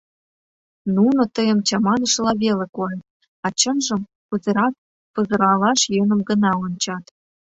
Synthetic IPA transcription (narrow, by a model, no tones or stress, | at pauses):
nunot̪əjəmt͡ɕɑmɑnə̆ʃlɑβelekojet̪̚ | ɑt͡ɕə̆nʒə̆m | pəzə̆ɾɑk̚ | pəzə̆ɾɑlɑʃjɤ̆nə̆mɡənɑont͡ɕɑt̪